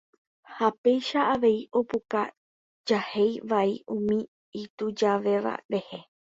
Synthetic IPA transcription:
hape̞jʃaaʋe̞iʔo̞puka | d͡ʒahe̞jʋaiʔũmĩ | it̪ud͡ʒaʋe̞ʋa̰ɾe̞he̞

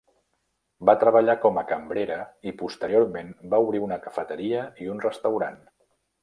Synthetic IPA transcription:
bat̪ɾəβəʎakɔməkəmbɾeɾəipust̪əɾioɾmenbauβɾiunəkəfət̪əɾiəiunrəst̪əwɾan

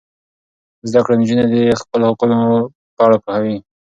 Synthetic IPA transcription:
zd̪akɽand͡ʒunad̪expəlohaquno | pəaɽapuhawi

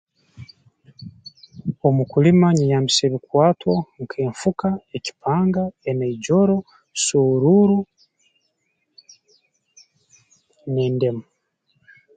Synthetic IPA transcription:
omukulimaɲijaːmbise̞ːβikwaːtwoŋkʰeːɱfukaeci̥paːŋɡaeneiɟo̞ɾo | suɾuɾu | neːnde̞mu

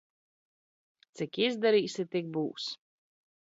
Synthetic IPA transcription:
tt̪sʲikizd̪aɾiːsit̪ik̚bṵːs

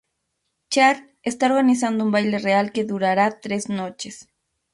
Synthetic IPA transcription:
t͡ʃaɾ | est̪aoɾɣanis̬and̪oumbajlerealkeðuɾaɾat̪ɾeznot͡ʃes

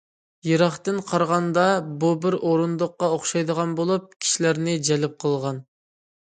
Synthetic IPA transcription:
jeɾɑχt̪ɨnqʰɑɾʁɑnd̪ɑbubɪɾʔoɾund̪ʊqːɑoχʃɑjd̪əʁɑnbolˠup̚kʲʰi̥ʃilæɾnɪd͡ʒɛlɪp̚qʰəlˠʁɑn

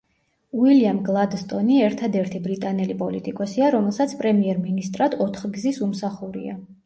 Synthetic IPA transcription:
uiliamɡlˠad̪st̪ʼɔniɛɾt̪ʰad̪ɛɾt̪ʰibɾit̪ʼanɛlipʼɔlit̪ʼikʼɔsiaɾɔmɛlˠsat̪sʰpʼɾɛmiɛɾminist̪ʼɾad̪ʰɔt̪ʰχɡzisumsaχuɾḭa̰

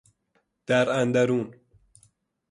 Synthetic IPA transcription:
d̪̥aɾand̪aɾun

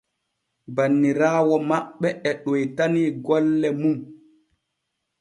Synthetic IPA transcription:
banːiɾaːwɔmaɓːɛɛɗɔjtaniɡɔlːɛmum

